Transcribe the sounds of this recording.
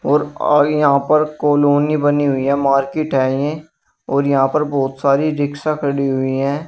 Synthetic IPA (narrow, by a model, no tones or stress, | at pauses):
ɔːɾjɐɦãpəɾkoːloːnibəniɦʊiɦɛ̃ːmaːɾkeʈɛːiẽ | ɔːɾjɐɦãːpəɾbɔːt̪saːɾiɾɪksakʰəɽiɦʊiɦɛ̃ː